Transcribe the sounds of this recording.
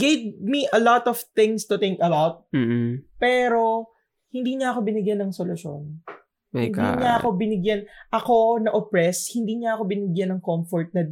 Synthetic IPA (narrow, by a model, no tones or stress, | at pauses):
ɡ̥ejvmiʔɐlɔt̪ɔv̥θɪ̃ŋst̪ʊt̪ɪŋkɐbawt̪̚ː | pɛːɾo̞ | hɪnd̪iːɲɐɐko̞bɪnɪɡjanːɐŋsolʊʃo̰n | ɪ̰nd̪iɲaʔɐko̞bɪnɪɡjanʔɐko̞nɐʔopɹɛshɪnd̪iːɲɐʔɐko̞bɪnɪɡjanːɐŋkɔmfɔɹt̪̚nɐ